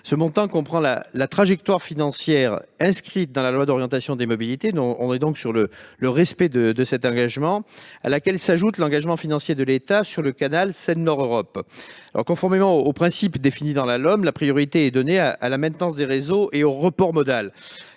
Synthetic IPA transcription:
səmɔ̃t̪ɑ̃kɔ̃pχɑ̃la̰lat̪χaʒɛk̚t̪waʁfinɑ̃sjɛʁɛ̃skχit̪̚d̪ɑ̃lalwad̪ɔʁjɑ̃t̪asjɔ̃d̪emɔbilit̪enɔ̃ɔ̃nɛd̪ɔ̃ksyʁlələʁɛspɛd̪əd̪əsɛt̪ɑ̃ɡaʒmɑ̃a̰lakʲɛlsaʒut̪lɑ̃ɡaʒmɑ̃finɑ̃sjed̪əlet̪asyʁləkanalsɛnːɔʁøʁɔpalʔɔ̰ʁkɔ̃fɔʁmemɑ̃oːpχɛ̃sipd̪efinid̪ɑ̃lalɔmlapχijɔʁit̪eɛd̪ɔneaʔa̰lamɛ̃t̪nɑ̃sd̪eʁezoʔeoʁəpɔʁmɔd̪al

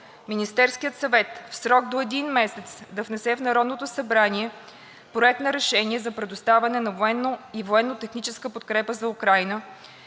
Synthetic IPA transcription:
minist̪ɛɾskijət̪sɐvɛt̪fsɾɔɡd̪oɛd̪inmɛsɛt̪sd̪ɐvnɛsɛvnɐɾɔd̪not̪osɐbɾaniɛ | pɾoɛt̪nɐɾɛʃɛniɛzɐpɾɛd̪ʊst̪avɐnɛnɐvoɛnːoivoɛnːot̪ɛxnit͡ʃɛskəpot̪̚kɾɛpəzɐukɾajnə

